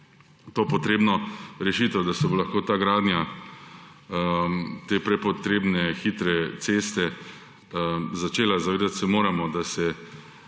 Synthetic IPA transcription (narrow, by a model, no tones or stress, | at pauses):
t̪oːpɔt̪ɾeːbnɔɾɛʃit̪ɛwd̪asɛbolaxkoːt̪aːɡɾaːd̪nʲja | t̪eːpɾɛpɔt̪ɾeːbnɛxit̪ɾɛt̪seːst̪ɛ | zat͡ʃeːlazaʋeːd̪at̪sɛmoːɾamɔd̪asɛ